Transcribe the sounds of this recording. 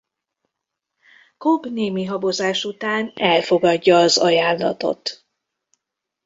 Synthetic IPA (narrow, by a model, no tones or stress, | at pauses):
kobneːmiɦɒbo̞zaːʃut̪aːnɛlfo̞ɡɒɟːɒːzɒjaːnːɒ̰t̪o̞̰t̪